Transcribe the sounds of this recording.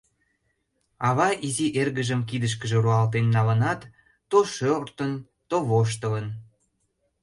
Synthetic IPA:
ɑβɑʔiziʔerɣəʒəmkid̪əʃ̬kəʒĕruɑlt̪̬enːɑlənɑt̪ː | oʃørt̪ən | t̪oβoʃ̬t̪ələn

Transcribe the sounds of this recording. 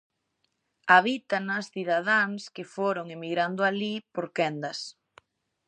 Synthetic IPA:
aβit̪anɐsθiðaðaŋskɪfoɾoŋemiɣɾand̪ʊalipoɾkɛnd̪ɐs

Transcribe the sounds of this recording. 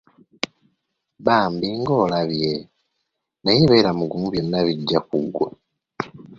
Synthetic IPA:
βaːmbiŋɡo̞ːlaβje | najiβe̞ːɾamuɡumuβjo̞nːaβiɟːakuɡːwa

